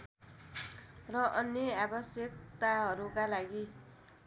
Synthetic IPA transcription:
rʌʔʌnjʌabʌsjʌk̚t̪aɦʌɾukalaɡi

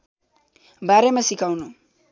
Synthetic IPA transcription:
baɾemasikawnu

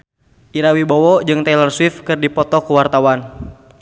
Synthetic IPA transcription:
ʔiɾawibowɔd͡ʒɨŋt̪alərswɪfkɨrdipɔt̪ɔkəwart̪awan

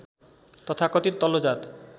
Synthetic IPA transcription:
t̪ɔt̪ʰakot̪iɾt̪ɔlod͡ʑat̪

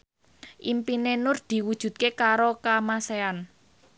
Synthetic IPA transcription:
ʔimpinenʊrd̪̥i̤wud̥ʒ̥ṳt̪̚kekaɾokamasean

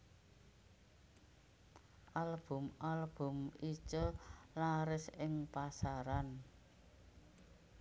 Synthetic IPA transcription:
ʔalb̥ʊ̤malb̥ʊ̤mi̥t͡ʃɔlaɾɪsɪŋpasaɾan

